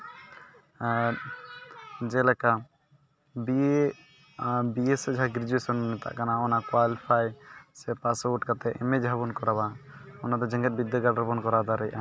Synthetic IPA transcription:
d͡ʒɛlɛka | bi | biesɛd͡ʒɦaɡɾid͡ʒuesɔnnɛt̪a̰ʔkanaɔnakwalipʰajsɛpasɔwuʈkat̪ɛʔɛmɛd͡ʒʱabɔnkɔɾaβaɔnad̪ɔd͡ʒə̃ŋɡɛt̪̚bid̪ːɔɡaɽɾbɔnkɔɾad̪aɾɛjʔa

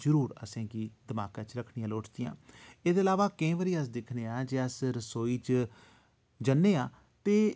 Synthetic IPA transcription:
zəɾuːɾə̰sẽːɡiːd̪əmaːkãːt͡ʃɾəkʰnijãːloːʈʰd̪ɪjã̰ːeːd̪eːəlaːʋaːkẽːʋəɾiːəs̬d̪ɪkʰneːãːd͡ʒeːəsɾəsoːiːt͡ʃ | d͡ʒənːeːaː | t̪eː

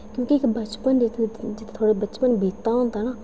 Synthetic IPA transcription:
kjõːkiɪkbət͡ʃpənd͡ʒɪt̪ʰd͡ʒɪt̪ʰːt̪ʰoːɽebət͡ʃpənbʱiːt̪ːaɦõːnd̪aːnaː

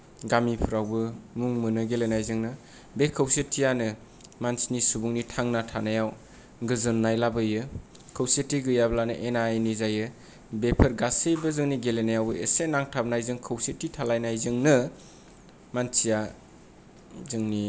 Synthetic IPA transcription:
ɡamipʰɯɾawbɯmuŋmɯnɯɡelenajzɯŋnɯ | bekʰɯwsetʰijanɯ | mansinisubuŋnitʰaŋnatʰanajaw | ɡɯzɯnːajlabɯjɯ | kʰɯwsetːiɡɯjablanɯ̰ʔenajnizajɯ | bepʰɯɾɡasɯjbɯzɯŋniɡelenajawbɯḛsenaŋtʰab̚najzɯŋkʰɯwsetːitʰalajnajzɯŋnɯ | mansija | zɯŋni

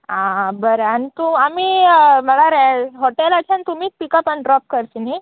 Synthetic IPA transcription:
ãbəɾanit̪uamiːm̤əɭaɾɛ̃ɦoʈelat͡ɕʰant̪umiːk̚pikəpaniɖɾɔp̚kəɾsini

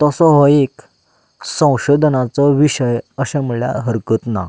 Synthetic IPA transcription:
t̪ɔsɔɦɔek | sə̃w̃ɕod̪ʱənat͡sɔʋiɕəjəɕãmuɭja̰ɦəɾkət̪na̰

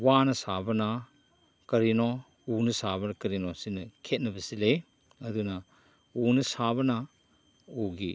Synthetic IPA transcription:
wanɐsabɐna | kɐɾinɔ | unɐsabɐnɐkɐɾinɔsinɐkʰet̚nɐbisile | ɐdunɐ | unɐsabɐna | uɡi

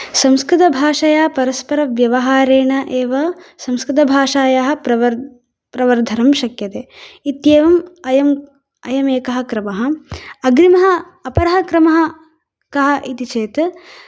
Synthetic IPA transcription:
sɐmskɾɪt̪̬ɐbʱaːʂɐjaːpɐɾɐspɐɾɐʋjɐʋɐɦaːɾeːɳɐʔeːʋɐsɐmskɾɪt̪ɐbʱaːʂaːjaɦɐ̆pɾɐʋɐ | pɾɐʋɐɾd̪ʱɐɾɐmʃɐkjɐt̪eːit̪jeːʋɐmɐjɐm | ɐjɐmeːkɐɦɐ̆kɾɐmɐɦɐ̆ɐɡɾimɐɦɐ̆ | ɐpɐɾɐɦɐkɾɐmɐɦɐ | kɐɦɐ̆ʔit̪it͡ʃeːt̪

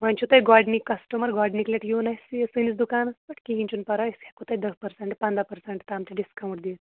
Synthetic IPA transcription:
ʋɐnʲt͡ʃʰut̪ɐjɡaːɖnikːɐsʈumɐɾɡaːɖnikleʈjuːnɐjsisɨnit͡sd̪ukaːnɐsbɐʈʰkiɦinʲt͡ʃunpɐɾɐjisɐkut̪ɐjd̪ɐspɐɾseɳʈpɐnd̪apɐɾseɳʈt̪aːmt̪iɖiskɐwɳʈd̪iːt̪

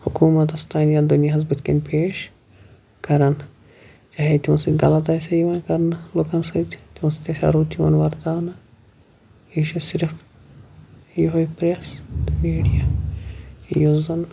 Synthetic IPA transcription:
hukuːmɐt̪ɐst̪ʰaːnjad̪unijaɦɐzbɐt̪ʰkḛnpeːʃ | kɐɾɐn | t͡ʃaːɦit̪ʲimɐsɨɡɐlɐt̪aːsʲajiʋɐːnkɐɾnɐloːkɐnsɐt̪ʲt̪imɐst̪ʲɐsʲa̰ɾoːt̪jiʋɐ̰nʋɐɾd̪aːnɐ | iʃusiɾf | joɦojpɾest̪miːɽija | ḭjuzɐn

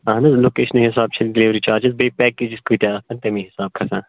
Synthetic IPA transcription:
ãːnɐzloːkeːʃənɐɦɪs̬aːb̚t͡ʃʰɐlɖɪliːʋɾit͡ʃaːɾd͡ʒɪzbeːpɛːkːeːd͡ʒɪskoit̪aːkɐnt̪ɐmĩɦɪsaːb̚kʰɐsãː

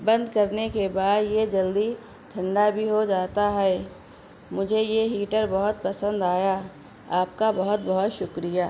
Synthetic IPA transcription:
bɐ̃nd̪kɐɾnekebaːd̪jed͡ʒɐld̪i | ʈʰɐ̃ɳɖabʱiɦod͡ʒaːt̪aɦɛ | mʊd͡ʒʱejeɦiːʈəɾbɐɦʊt̪̚pɐsə̃nd̪aːja | aːp̚kabɐɦʊt̪̚bɐɦʊt̪ʃʊkɾijaː

